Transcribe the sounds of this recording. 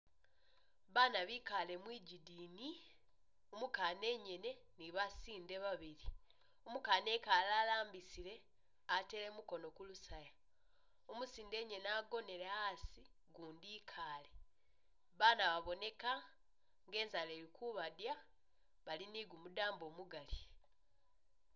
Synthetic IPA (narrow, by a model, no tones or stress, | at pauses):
βanaβiːkale̞mwiːɟidiːni | omukaːne̞ɲe̞ne̞niβasiːnde̞βaβiɾi | omukaːne̞kalaːlaːmbisile̞ | ate̞le̞muko̞no̞kulusaja | omusiːnde̞ɲe̞naɡo̞ne̞ɾeasi | ɡuːndiːkʰaːle̞ | βaːnaβaβo̞ne̞ka | ŋɡe̞ːnzale̞ːɾikuβadja | βaliniɡumudaːmbo̞ːmuɡali